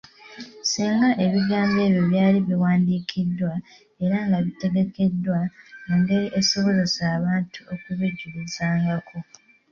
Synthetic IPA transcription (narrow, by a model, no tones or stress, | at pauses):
siːŋɡaʔe̞βiɡaːmbe̞ːβjo̞βjaːliβiwaːndiːkʰidːwa | e̞ɾaŋɡaβite̞ɡe̞ke̞dːwauŋɡe̞ɾiʔeso̞βo̞zesaːβaːntuo̞kuβeɟːulizaːŋɡakʰo̞